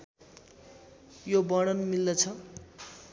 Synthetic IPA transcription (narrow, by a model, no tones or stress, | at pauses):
jobʌɽ̃ʌnmilːʌt͡sʰʌ